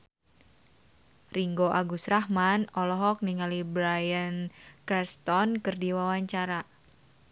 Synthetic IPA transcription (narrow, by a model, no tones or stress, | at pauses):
riŋɡoʔaɡusɾahmanɔlɔɦɔk̚niŋalibɾajənkɛst̪ɔnkɨrdiwawaɲt͡ʃaɾa